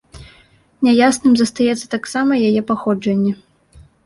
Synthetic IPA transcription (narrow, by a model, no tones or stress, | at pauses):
nʲɛjasnɨmzɐst̪ajɛt̪sːɐ̥t̪aksamɐjajɛpaxɔd͡ʐɐnʲːɛ